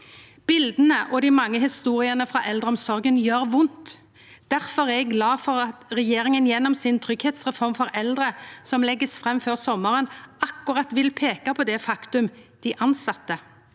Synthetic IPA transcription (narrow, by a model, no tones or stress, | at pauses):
b̥ɪld̪ənəʔɔd̪ɪmɑŋːəɦɪst̪uːʁɪənəfʁɑːʔɛld̪ʁəɔmsɔʁɡənjøːɾʋʊnt̪ | d̪̥æʁfɔʁɛɡɡlɑːfɔɾɑt̪ʁɛjeːɾɪŋənjɛnːɔmsɪnt̪ʰʁʏɡheːt̪sʁɛfɔʁmfɔɾɛld̪ʁəsɔmlɛɡːəsfʁɛmːføːʁsɔmːəʁənɑkːʊʁɑt̪ʋɪlpʰeːkɑpʰɔd̪ɛfɑkt̪ʉmd̪̥ɪʔɑnsɑt̪ːə